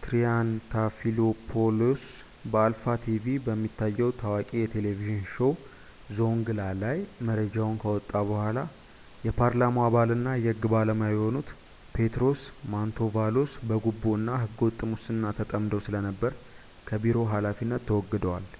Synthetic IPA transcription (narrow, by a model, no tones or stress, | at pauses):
t̪ɾijant̪ʰafilopʰolos | bəalfat̪ʰivibəmːit̪ːajːɛwt̪ʰawakʼijɛt̪ʰe̞leviʒɪnʃow | zo̞ŋɡɨlalajməɾəd͡ʒawʊnkʰəwɔt̪ʼːaβəhʷala | jɛpʰaɾlamoaβalɨnːajɛɡɨbaləmjajho̞nut̪ | pʰe̞t̪ɾo̞smant̪ʰovalosbəɡubːoɨnːaɦɨɡːəwɔt̪ʼːɨmʊsɨnːat̪ʰət̪ʼəmd̪əwsɨlənəbːəɾ | kʰəbiɾo̞ɦalafinːət̪ʰːəwɔɡːəd̪əwal